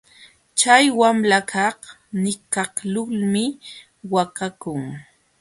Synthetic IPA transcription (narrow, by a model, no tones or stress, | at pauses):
t͡ʃajwamlakʰɑh | nɪkɑhlʊlmɪ | wakakʊŋ